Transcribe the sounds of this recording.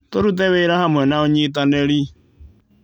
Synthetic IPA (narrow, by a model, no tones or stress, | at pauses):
toɾut̬ɛβeɾahamwɛnaoɲit̬anɛɾi